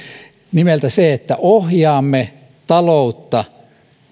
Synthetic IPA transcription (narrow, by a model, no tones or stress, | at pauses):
nimelt̪æseet̪ːæʔohjɑːmːe | t̪ɑlout̪ːɑ